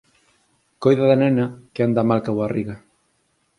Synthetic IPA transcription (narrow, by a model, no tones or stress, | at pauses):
kojðaðanenakeand̪amalkawariɣa